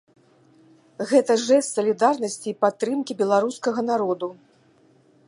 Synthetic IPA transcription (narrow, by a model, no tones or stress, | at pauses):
ɣɛt̪ɐʐɛst̪sɐlʲid̪arnɐsʲt͡sʲiːpat̪ːɾɨmkʲibʲɛlˠaɾuskɐɣɐnaɾɔd̪u